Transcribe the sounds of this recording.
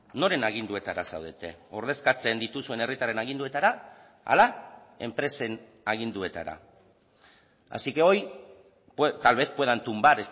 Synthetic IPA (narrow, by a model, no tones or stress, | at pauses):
no̞ɾe̞naɣind̪ue̞t̪aɾasa̰wð̞e̞t̪e̞o̞ɾðe̞skat͡se̞nd̪it̪usue̞ne̞rit̪arenaɣ̞ind̪ue̞t̪aɾa | a̰la | e̞̰mpɾe̞se̞n | aɣ̞ind̪ue̞t̪a̰ɾa̰ | a̰sike̞o̞j | pt̪alβe̞t̪poe̞ðant̪umbat̪e̞s